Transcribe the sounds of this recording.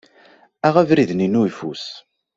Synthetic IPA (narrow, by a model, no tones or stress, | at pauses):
æʁævɾiðninuifṵs